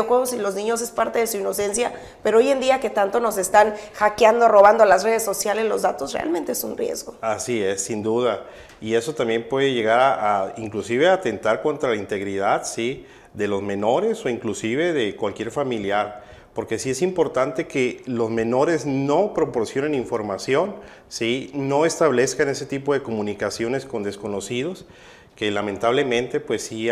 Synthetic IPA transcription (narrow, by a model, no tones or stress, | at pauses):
oxweɣosilo̞znĩɲo̞se̞spaɾt̪e̞ðe̞suino̞se̞nsja | pe̞ɾooje̞nd̪iake̞t̪ant̪o̞no̞se̞st̪anxakjand̪oro̞β̞and̪olasre̞ð̞esːo̞sjalezlo̞̰zðat̪o̞srḛʔa̰lmẽnt̪eesunrjḛzɣoasiesːind̪uða | ie̞so̞t̪ambje̞mpwe̞ðe̞ʝe̞ɣaɾaʔaiŋklusiβe̞at̪e̞nt̪aɾko̞nt̪ɾalaint̪e̞ɣɾið̞aðsi | ðe̞lo̞zmẽ̞no̞ɾe̞so̞iŋklusiβ̞e̞ðe̞kwalkjeɾfamiljaɾ | po̞ɾke̞sie̞simpo̞ɾt̪ant̪e̞ke̞lo̞zmẽ̞no̞ɾe̞zno̞pɾo̞po̞ɾsjo̞neniɱfo̞ɾmasjo̞n | sino̞e̞st̪aβle̞skane̞se̞t̪ipo̞ð̞e̞ko̞mũnikasjone̞sko̞nd̪e̞sko̞no̞siðo̞s | ke̞lamẽnt̪aβle̞mẽ̞nt̪e̞pwe̞sːi